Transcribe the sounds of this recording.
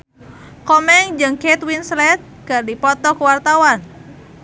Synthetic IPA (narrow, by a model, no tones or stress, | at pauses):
kɔmɛŋd͡ʒɨŋkɛt̪winslɛt̪̚kardipɔt̪ɔkəwart̪awan